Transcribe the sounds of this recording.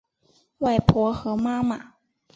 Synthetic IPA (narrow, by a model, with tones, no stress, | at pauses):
wa˥˩ɪpʰwɔ˧˥xɤ˧˥ma˥ma˨˩˦